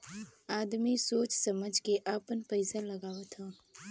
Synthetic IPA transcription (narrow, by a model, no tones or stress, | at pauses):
aːd̪misoːt͡ʃsɐməd͡ʒʱkeʔaːpənpəɪsalɐɡaːʋət̪ɦãː